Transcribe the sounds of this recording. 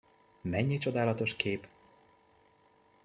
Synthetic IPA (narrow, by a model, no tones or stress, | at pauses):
mɛɲːit͡ʃo̞d̪aːlɒt̪o̞ʃkʰeːp